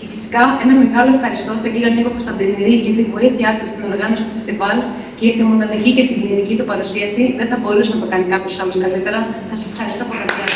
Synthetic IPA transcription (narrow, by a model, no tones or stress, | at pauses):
cefisi̥kɐe̞nɐmeɣɐlo̞e̞fxɐɾist̪o̞st̪oɟilɐnikokost̪ɐnd̪iniðiʝɐt̪ivo̞iθiɐt̪ust̪ino̞ɾɣɐno̞si̥t̪u̥fe̞st̪ivɐl | ceʝɐt̪imond̪ɐnɐlicesiʝenit̪icit̪upɐɾusiɐsiðenθɐbo̞ɾusenɐt̪okɐnikɐpçosɐloskɐlit̪eɾɐsɐse̞fxɐɾist̪o̞poliɐe